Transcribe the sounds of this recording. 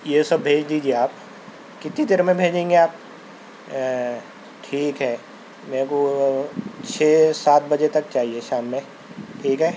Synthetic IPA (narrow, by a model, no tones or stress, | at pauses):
jesɐbːʱeːd͡ʒd̪iːd͡ʒieaːp | kɪt̪it̪ɪɾmẽbʱeːd͡ʒẽːŋɡeaːp̚ | ʈʰiːkɦɛː | meːko | t͡ʃʰeːsaːt̪̚bɐd͡ʒet̪ɐk̚t͡ʃaːɦieʃaːmːẽ | ʈʰiːkɦɛː